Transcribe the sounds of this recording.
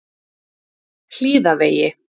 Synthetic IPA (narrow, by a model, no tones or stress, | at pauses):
l̥iːðaveːjɪ